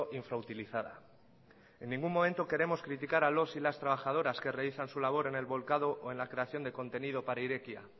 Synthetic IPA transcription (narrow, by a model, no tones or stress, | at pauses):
ʔiɱfɾaut̪iliθaða | e̞nːĩŋɡumːo̞ment̪o̞ke̞ɾe̞mo̞skɾit̪ikaɾalo̞silast̪ɾaβ̞axað̞o̞ɾaske̞reliθansulaβ̞o̞ɾe̞ne̞lβo̞lkaðo̞ʔoe̞nlakɾe̞aθjo̞nd̪e̞ko̞nt̪e̞nið̞o̞paɾaiɾe̞kja̰